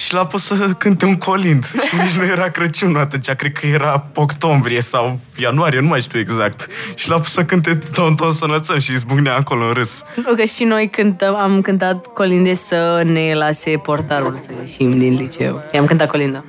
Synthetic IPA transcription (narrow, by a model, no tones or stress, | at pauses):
ʃilapussəkɨnt̪euŋkʰo̞lind̪nit͡ʃnuje̞ɾakɾət͡ʃunəat̪unt͡ʃakɾed̪̚kʰəje̞ɾaokt̪o̞mbɾije̞saw | januaɾijenumajʃt̪ueɡzak̚t̪ʃilapusəkɨnt̪̬ed̪ont̪onsənəlt̪səmʃiiz̬buɡneaːko̞lounɾɨs | nukəʃino̞jkɨnt̪əmamkɨnt̪̬at̪kolind̪esəne̞lase̞po̞rt̪aɾulsəjeʃimd̪inlit͡ʃḛṵjamkɨnt̪at̪ko̞lind̪a